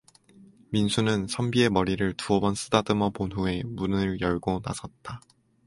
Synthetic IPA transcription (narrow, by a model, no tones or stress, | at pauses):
minsʰunɯnsʰʌmbie̞mʌɾiɾɯɭtuʌbʌns͈ʰɯdadɯmʌponɦue̞munɯɭjʌɭɡona̰sʰʌt̚t͈a